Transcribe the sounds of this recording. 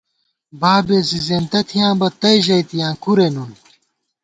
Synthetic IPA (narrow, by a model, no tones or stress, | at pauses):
baːbeːsizẽːnt̪ɐt̪ʰijãːbɐt̪ɐjʑɐjt̪ijãːkuɾenun